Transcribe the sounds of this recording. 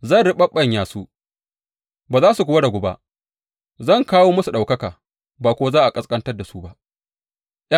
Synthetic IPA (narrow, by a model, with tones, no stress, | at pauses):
zɐ˦˨nɽɪ˦ɓɐ˦ɓɐ˦˨ɲjaː˨su˦ | baː˨zaː˦su˨kʷʊ˦wɐ˦da˨ɡʷʊ˨ba̰˦ʔ | zɐ˦˨ŋkaː˦woː˦mɐ˦su˨ɗa˨wkɐ˦kaː˨ | baː˨kʷo˦wa˦zaː˦ʔa˨kʼɐ˦skʼɐ˦ntɐ˦rda˨su˦ba˦ʔ | jʔ